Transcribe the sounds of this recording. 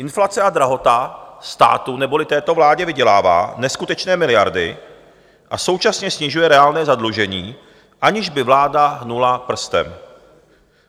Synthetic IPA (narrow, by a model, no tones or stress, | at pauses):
ʔɪnflat͡sɛʔad̪ɾaɦo̞t̪ast̪a̰ːt̪unɛbo̞lɪt̪ɛːt̪o̞vlaːɟɛvɪɟɛlaːva̰ːnɛskut̪ɛt͡ʃnɛːmɪlɪjaɾdɪ̰ | ʔaso̞wt͡ʃasɲɛsɲɪʒujɛɾɛaːlnɛːzadluʒɛɲiː | ʔaɲɪʒbɪvlaːdaɦnulapr̩st̪ɛ̰m